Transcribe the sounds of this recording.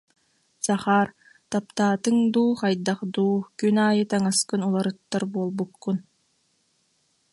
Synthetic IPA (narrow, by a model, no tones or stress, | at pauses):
saχaːɾ | t̪apt̪aːt̪ɯŋd̪uːχajd̪aχd̪uːkynaːjɯt̪aŋaskɯnulˠaɾɯt̪ːaɾbuɔlˠbukːun